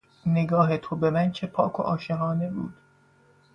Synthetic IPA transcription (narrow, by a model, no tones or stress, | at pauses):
neɡɒːɦet̪ʰobemænt͡ʃʰepʰɒːkʰo̰ʔɒːʃeɦɒːne̞bṵːd̪̥